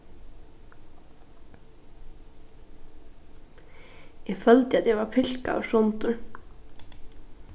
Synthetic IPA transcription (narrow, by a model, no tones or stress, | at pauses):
jɛɣfœlt̪ɪaðjɛɣvaɾpʰɪl̥ka̰ːwsɔnt̪ʏ